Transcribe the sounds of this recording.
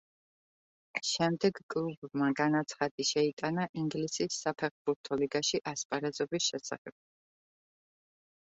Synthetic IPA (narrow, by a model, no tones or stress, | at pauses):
ʃɛmd̪ɛɡkʼlˠubmaɡanat̪sʰχad̪iʃɛit̪ʼanaʔiŋɡlisisːapʰɛχbuɾt̪ʰɔliɡaʃiʔaspʼaɾɛzɔbisʃɛsa̰χɛb̥̚